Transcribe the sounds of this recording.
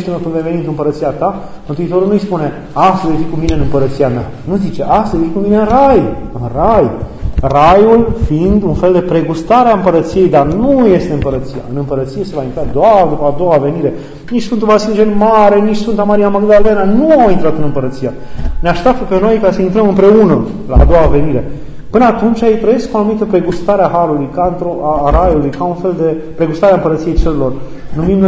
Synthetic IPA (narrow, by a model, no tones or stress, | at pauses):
ʃt̪unəkɨnd̪avenit̪uɨmpəɾət̪siat̪a | mənt̪uit̪o̞ɾulnujspune̞ | ast̪əvejfikumine̞ɨnɨmpəɾət̪siama̰ | nuzit͡ʃe̞ʔast̪əvejfikumineɨnrajɨnrajrajulfind̪unfe̞ld̪e̞pɾe̞ɡust̪aɾeaɨmpəɾət̪sije̞jd̪arnuje̞st̪eɨmpəɾət̪sija̰ɨnɨmpəɾət̪sije̞se̞vaint̪ɾad̪oard̪upəad̪o̞ave̞niɾe̞ | nit͡ʃsfɨnt̪uvasild͡ʒenmaɾe̞nit͡ʃsfɨnt̪amaɾiamaɡd̪ale̞nanuawint̪ɾat̪ɨnɨmpəɾət̪sija | neaʃt̪ap̚t̪əpe̞no̞jkasəint̪ɾəmɨmpɾe̞unə | la̰a̰d̪o̞wave̞niɾe̞ | pɨnəat̪unt͡ʃʲaejt̪ɾəje̞skuanumit̪əpɾe̞ɡust̪aɾeaɦalulujkant̪ɾoʔaɾajulujkaunfe̞ld̪e̞ | pɾe̞ɡust̪aɾeaɨmpəɾət̪sije̞jt͡ʃelelo̞r | numim